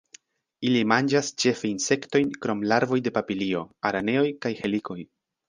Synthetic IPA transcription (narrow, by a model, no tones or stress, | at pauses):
ilimand͡ʒast͡ʃe̞feinse̞kto̞jnkɾo̞mlaɾvo̞jde̞papilio̞aɾane̞o̞jkajhe̞liko̞j